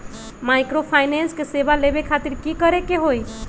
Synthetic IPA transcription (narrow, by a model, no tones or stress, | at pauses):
majkɾopʰajnenskesebalebekʰat̪iɾkikəɾekeɦoj